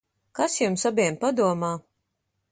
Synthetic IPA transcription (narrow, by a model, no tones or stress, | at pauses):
kasjumsabʲɛmpad̪uɔmaː